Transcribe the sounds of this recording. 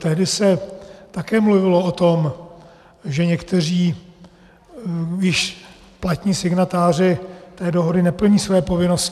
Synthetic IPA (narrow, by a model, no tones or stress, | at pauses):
t̪ɛɦdɪsɛt̪akɛːmluvɪloot̪o̞m | ʒɛɲɛkt̪ɛr̝iː | jɪʃ | plat̪ɲiːsɪɡnat̪aːr̝ɪt̪ɛːdoɦodɪnɛpl̩ɲiːsvɛjɛpo̞vɪnoscɪ